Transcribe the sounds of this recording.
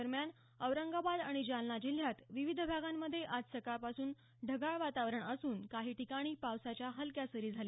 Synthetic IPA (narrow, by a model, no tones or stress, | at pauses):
əɾmjan | əʋɾəŋɡabad̪aɽ̃id͡ʑalnad͡ʑil̤jat̪ʋiʋid̪ʱbʱaɡamːəd̪ʱːjeʔad͡zsəkapasuːn | ɖʱəɡaɭʋat̪aʋɾəɳəsuːnkaɦiːʈikaɽ̃iːpawsat͡ɕjaɦəlkjasəɾiːd͡zʱale